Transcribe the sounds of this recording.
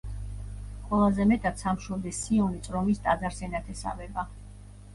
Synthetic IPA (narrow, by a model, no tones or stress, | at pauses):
qʼwɛlˠazɛmɛt̪ʼat̪samʃɔd̪isiɔnit̪sʼɾɔmist̪ʼad̪zaɾsɛnat̪ʰɛsa̰vɛba